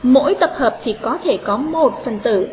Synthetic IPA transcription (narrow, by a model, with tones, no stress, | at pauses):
mo̰˧˥jt̪ə˨˩p̚həː˨˩p̚t̪ʰi˨˩kɔ˨˦t̪ʰe˧˩kɔ˨˦mo˨˩t̚fə˨˩nt̪ɨ̰˧˩